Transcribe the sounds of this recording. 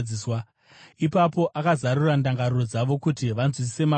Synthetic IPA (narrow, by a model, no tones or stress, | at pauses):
iːswa | ipapo̞ʔakazaɾurandaŋɡaɾuro̞d͡zaʋo̞kutiʋanzwis̬i̥se̞ma